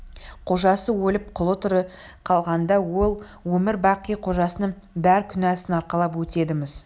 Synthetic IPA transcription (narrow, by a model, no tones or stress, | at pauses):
qʰo̞ʒɑsəwɵlɪp̚qʰʊlˠət̪əɾəqʰɑlˠʁɑnd̪ɑwo̞lˠ | wɵmɪɾbɑqːijqʰo̞ʒɑsənəɴ | bæɾkʲʰʏnɑsɪnɑɾqɑlˠɑpwɵt̪e̞d̪ɪmɪz